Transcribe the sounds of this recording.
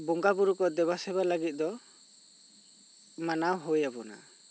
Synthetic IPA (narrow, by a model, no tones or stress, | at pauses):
bɔŋɡabuɾukɔd̪ɛbasɛβalaɡit̪̚ˀd̪ɔ | manawɦojabɔna̰